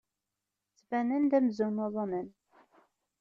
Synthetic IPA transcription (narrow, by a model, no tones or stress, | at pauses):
t͡sːvænænd̪æmzunoðˤɑnən